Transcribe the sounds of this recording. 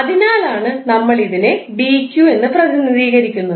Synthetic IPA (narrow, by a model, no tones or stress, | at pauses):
ɐðinaːlaːɳɨnɐmːɐɭiðine̞biːkʲːjuːe̞nːɨprɐd̪ʱinriːɣɐɾikʲːunːɐ